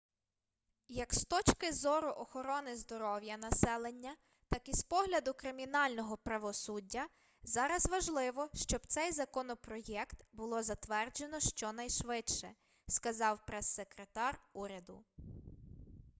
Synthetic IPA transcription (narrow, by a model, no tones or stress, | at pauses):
jɐkst̪ɔt͡ʃkɪzɔɾʊʔɔxɔɾɔnɪzd̪ɔɾɔwjɐnɐsɛlˠenʲːɐ | t̪ɑkispɔɦlʲɐd̪ʊkɾɪmʲinɑlʲnɔɦɔpɾɐʋɔsudʲːɐ | zɑɾɐzʋɐʒlˠɪʋɔʃt͡ʃɔbt̪sɛjzɐkɔnɔpɾɔjɛkt̪bʊlˠɔzɐt̪ʋɛrd͡ʒenɔʃt͡ʃɔnɐjʃʋɪt͡ʃʃɛ | skɐzɑwpɾɛsːekɾet̪ɑruɾʲɐd̪ʊ